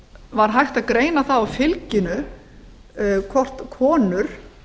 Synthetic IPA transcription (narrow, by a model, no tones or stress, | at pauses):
vaɾɦajxt̪aðkɾeːjnaθawafɪlcɪnʏ | kʰvɔr̥t̪kʰɔːnʏɾ̥